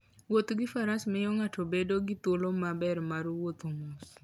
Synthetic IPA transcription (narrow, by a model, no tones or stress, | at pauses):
wot̪ɡɪfaɾasmɛjɔŋatʰobedoɡɪt̪wolomabɛrmaɾwot̪oŋos